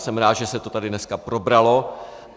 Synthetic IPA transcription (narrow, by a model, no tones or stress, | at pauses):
sɛmɾaːd̪ʒɛsɛt̪o̞t̪adɪnɛskapɾo̞bɾalo̞